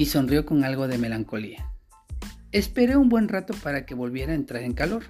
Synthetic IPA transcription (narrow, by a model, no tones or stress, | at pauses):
iso̞nrjo̞ko̞ŋalɣo̞ðe̞me̞laŋko̞lia | e̞spe̞ɾe̞umbwe̞nrat̪o̞paɾake̞βo̞lβje̞ɾaent̪ɾaɾe̞ŋkalo̞ɾ